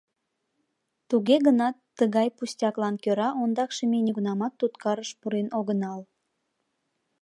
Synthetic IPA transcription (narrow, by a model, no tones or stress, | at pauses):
t̪uɣeɣənɑt̪ːəɣɑjpusʲtʲɑklɑnkøɾɑʔond̪ɑkʃemenʲeɣunɑmɑt̪ːut̪kɑɾəʃpuɾenʔoɣənɑl